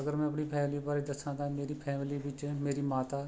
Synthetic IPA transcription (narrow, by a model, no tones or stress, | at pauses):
əɡəɾmɛ̃ɐpɳiːpʰɛːmliʋaːɾid̪əsãːd̪ãmeːɾiːpʰɛːmɪliːbɪt͡ʃmeːɾiːmaːt̪aː